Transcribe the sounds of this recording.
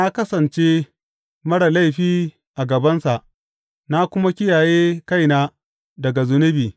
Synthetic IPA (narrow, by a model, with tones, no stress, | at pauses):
na˦kɐ˦sɐ˨nt͡ʃe˦ | mɐ˦ɽa˨la˦˨jɸiː˦ | ʔa˨ɡɐ˨bɐ˦nsa˨ʔ | na˦kʷʊ˦ma˦kʲɪ˦jaː˨jeː˦ka˦jnaː˦ | dɐ˨ɡa˨zʊ˦nʊ˦biː˨